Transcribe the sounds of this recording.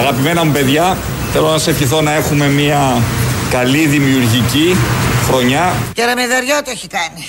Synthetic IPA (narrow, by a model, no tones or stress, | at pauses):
ɐɣɐpime̞nɐmupe̞ðʝɐ | θe̞lo̞nɐsefçiθo̞nɐe̞xume̞miɐkɐliðimiuɾʝicixɾo̞ɲɐceɾɐmeðɐɾʝot̪ueçikɐni